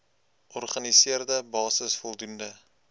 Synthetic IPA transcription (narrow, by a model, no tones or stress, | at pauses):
ʔɔrχɐnisiərdəbɑːsəsfɔlˠdundə